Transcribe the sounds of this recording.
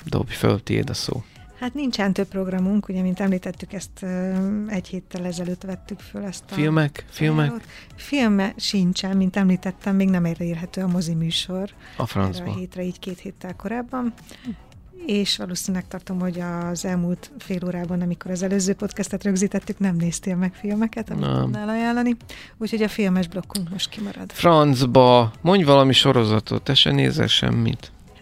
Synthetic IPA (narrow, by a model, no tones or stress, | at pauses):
d̪o̰bjfø̰lt̪iḛːd̪ɒso̰ː | hat̪nint͡ʃɛnt̪ø̞pːro̞ɡrɒmuŋkuɟɛmint̪ɛmliːt̪ɛt̪ːykɛst̪øɛɟheːt̪ːɛlɛzɛløːt̪ʋɛt̪ːykfølɛst̪ɒfilmɛkfilmɛkoːt̪ | filmɛʃint͡ʃɛmːint̪ɛmliːt̪ɛt̪ːɛmːeːɡnɛmɛrɛiːrɦɛt̪øːɒmo̞zimyːʃo̞r | ɒ̰frɒ̰nzbɦeːt̪rɛiːckeːt̪heːt̪ːɛlko̞ɾaːbːɒn | eːʃʋɒloːseːɲylɛk̚t̪ɒrt̪o̞mho̞ɟɒzɛlmuːlt̪feːloːɾaːbɒnɒmiko̞ɾɒzɛløːzøːpo̞t̪kɛst̪ɛt̪rø̞ɡziːt̪ɛt̪ːyknɛmneːst̪eːlmɛkfilmɛkɛt̪ɒmḭɛlɒjaːlːɒni | uːcho̞ɟɒfilmɛʒblo̞kːuŋkmo̞ʃt̪kimɒɾɒ̰d̪̥frɒnzbɒmo̞ɲɟvɒlɒmiʃo̞ɾo̞zɒt̪o̞̰t̪ɛʃɛ̰nḛːzɛ̰lʃɛ̰mːḭt̪